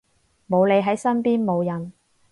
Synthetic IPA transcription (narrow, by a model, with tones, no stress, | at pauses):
mo˨˧wle˨˧jɦɐ˨˥jsɐ˥npiː˥nmo˨˧wjɐ˨n